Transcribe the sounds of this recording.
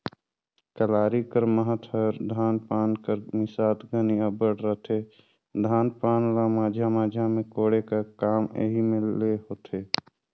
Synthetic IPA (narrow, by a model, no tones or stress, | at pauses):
kəlaːɾikəɾməɦət̪ʰɦəɾd̪ʱaːnpaːnkəɾmɪsaːt̪ɡəniəbəɽɾət̪e | d̪ʱaːnpaːnɾamaːd͡ʒʱjamaːd͡ʒʱjamẽkoːɽekakaːmḛɦimɪ̃lːeɦoːt̪ʰeː